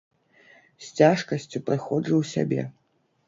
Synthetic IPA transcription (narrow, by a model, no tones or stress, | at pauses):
sʲt͡sʲaʂkɐsʲt͡sʲupɾɨxɔd͡zɨwsʲa̰bʲɛ̰